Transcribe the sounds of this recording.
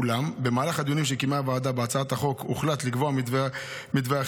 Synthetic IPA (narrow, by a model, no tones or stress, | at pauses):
lambemaːlaχad̪junimʃekimavaːd̪abeat͡saat̪aχo̞kuχlat̪likvo̞aiv | mid̪vea